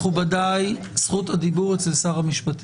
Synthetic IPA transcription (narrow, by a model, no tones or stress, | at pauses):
ubadaj | sχuthadibuʁet͡selsaʁhamiʃpat